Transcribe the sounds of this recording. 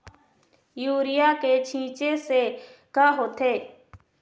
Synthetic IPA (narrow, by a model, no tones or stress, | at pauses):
juːɾɪjaːkeːt͡ʃʰĩːt͡ʃeːseːkaːɦoːt̪eː